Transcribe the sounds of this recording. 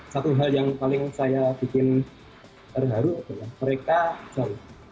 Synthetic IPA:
sat̪uɦaljaŋpalɪŋsajab̥ikɪn | t̪ərɦaɾuat̪ajaməɾekat͡ʃaɾɪ

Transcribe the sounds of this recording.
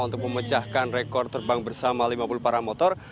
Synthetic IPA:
unt̪ʊk̚məmət͡ʃahkanrekɔrt̪ərbaŋbərsamalimapulupaɾamɔt̪ɔr

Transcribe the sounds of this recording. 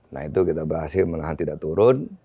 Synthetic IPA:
na̰hit̪ukit̪abəɾɦasɪlməŋaɦant̪idaʔt̪uɾʊn

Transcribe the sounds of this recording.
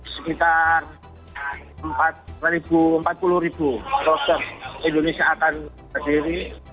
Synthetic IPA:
səkit̪ar | əmpat̪̚rribuəmpat̪̚puluɾibukɔt̪ərindonesiaːkan | adiɾi

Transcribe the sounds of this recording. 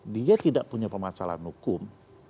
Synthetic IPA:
diat̪idaʔpuɲapərmasala̰nhukʊm

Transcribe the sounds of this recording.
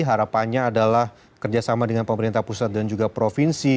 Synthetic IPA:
ɦaɾapanɲaːdalah | kərd͡ʒasamadəŋanpəməɾint̪ahpusat̪̚dand͡ʒuɡapɾofinsi

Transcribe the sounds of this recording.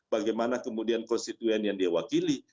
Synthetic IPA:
baɡajmanakəmudiankɔnst̪it̪uɛnjaŋdiawakili

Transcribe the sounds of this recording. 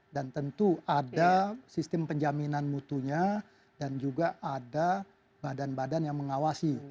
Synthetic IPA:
dant̪ənt̪uadasist̪əmpəɲd͡ʒaminanmut̪uɲa | dand͡ʒuɡaʔada | badanbadanjaŋməŋawasi

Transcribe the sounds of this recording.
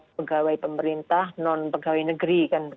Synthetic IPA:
pəɡawaipəməɾint̪ahnɔnpəɡawainəɡəɾikan

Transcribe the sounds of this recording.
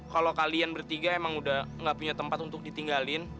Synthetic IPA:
kalokalianbərt̪iɡaemaŋudahŋɡaʔpuɲat̪əmpat̪unt̪ʊk̚dit̪iŋɡalɪn

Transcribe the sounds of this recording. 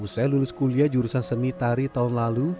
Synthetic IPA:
usajlulʊskuliad͡ʒuɾusansənit̪aɾit̪aʊnlalu

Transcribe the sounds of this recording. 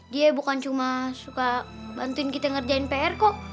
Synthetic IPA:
diabukant͡ʃumasuka | bant̪uɪnkit̪aŋərd͡ʒainpɛɛrkɔʔ

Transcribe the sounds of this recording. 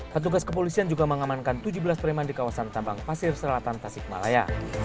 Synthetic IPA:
pərt̪uɡaskəp̬olisiand͡ʒuɡaməŋamankant̪ud͡ʒubəlaspəɾimandikawasant̪ambaŋpasɪrsəlat̪ant̪asɪk̚ma̰la̰ja̰

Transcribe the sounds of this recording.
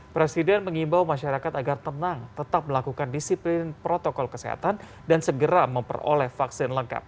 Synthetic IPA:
pɾesidɛnməŋimbawmaʃaɾakat̪aɡart̪ənaŋt̪ət̪ap̚məlakukandisiplɪnpɾot̪okɔlkəsḛɦa̰t̪an | dansəɡəɾaməmpə̰ro̰lɛhfaksɪnləŋka̰p̚

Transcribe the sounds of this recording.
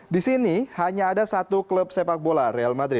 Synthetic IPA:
disinihaɲaːdasat̪ukləp̚sepak̚bolaɾealmad̪ɾɪt̪̚

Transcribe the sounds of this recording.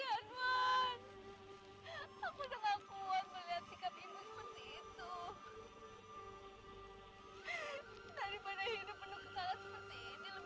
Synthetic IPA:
anman | akudaŋakuat̪̚məliɦat̪̚sikabimusəpərt̪iːt̪u | daɾipadaɦidupːənʊsəsalasəpərt̪iːnilə

